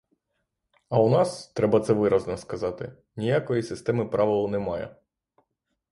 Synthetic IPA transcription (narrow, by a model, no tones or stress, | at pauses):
ɐʊnɑst̪ɾɛbɐt̪sɛʋɪɾɐznɔskɐzɑt̪ɪ | nʲijakɔjisɪst̪ɛmɪpɾɑʋɪlˠɔnɛmɑjɛ̰